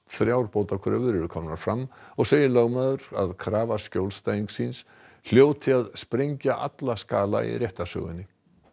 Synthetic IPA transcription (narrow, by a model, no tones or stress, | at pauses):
θɾjawɾpowt̪akʰɛɾɪvʏɾʏðʏkʰɔːmnaɾ̥fɾamːɔɣseːjɪlœɣmaːðʏɾa̰ðkʰɾaːvascowlst̪ajiŋksins | l̥joːwt̪ʰɪaðspɾejɲcaʔa̰t̪laskaːla̰ḭrjɛht̪asœ̰ːɣʏ̰nːɪ